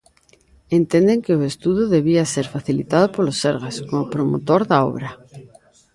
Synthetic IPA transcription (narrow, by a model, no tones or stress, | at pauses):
ent̪ẽnd̪eŋkeoest̪uðoðeβiaseɾfaθilit̪að̞opoloseɾɣaskomopɾomo̰t̪oɾðao̰βɾa